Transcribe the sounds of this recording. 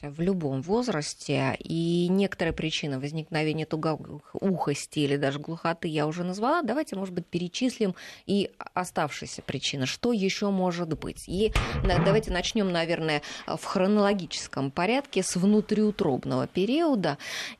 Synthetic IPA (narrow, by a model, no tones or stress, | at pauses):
vlʲʊbo̞mvo̞zɾəsʲtʲɪinʲe̞kə̥t̪əɾəjəpɾʲɪt͡ɕinɨvəzʲnʲɪknɐvʲenʲɪjət̪ʊɡuxəsʲtʲɪilʲɪd̪aʐɨɡlˠʊxɐt̪ɨjaʊʐɛnəzvɐlˠad̪ɐvajtʲɪmo̞ʐɨd̪̚bɨt̚ʲpʲɪɾʲɪt͡ɕisʲlʲɪmiɐst̪afʂɨjsʲəpɾʲɪt͡ɕinəʂt̪o̞jɪɕːo̞mo̞ʐɨt̪bɨ̰tʲind̪ɐvajtʲɪnɐt͡ɕnʲo̞mnɐvʲe̞rnəjə̰fxɾənəlˠɐɡʲit͡ɕɪ̥skəmpɐɾʲat̪kʲɪsvnʊt̪ɾʲɪʊt̪ɾo̞̰bnəvə̰pʲɪɾʲiəd̪ə